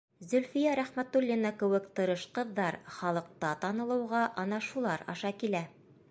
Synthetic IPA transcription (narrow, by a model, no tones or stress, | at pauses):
zɵ̆lfijæɾæχmæt̪ulʲːinɑkɘ̆wɘkt̪ɤ̆ɾɤʃqɤ̆ðːɑɾχɑlˠɤ̆q̚t̪ɑt̪ɑnɤ̆lˠɤ̆wʁɑʔɑnɑʃulˠɑɾɑ̰ʃɑkilæ